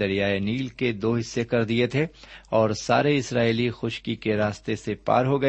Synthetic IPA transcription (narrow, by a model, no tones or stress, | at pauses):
ɐɾijaeniːlked̪oːɦɪsːekɐɾd̪iet̪ʰeɔːɾsa̰ːɾeɪsɾaːilixʊʃkikeɾaːst̪esepa̰ːɾɦoɡɐ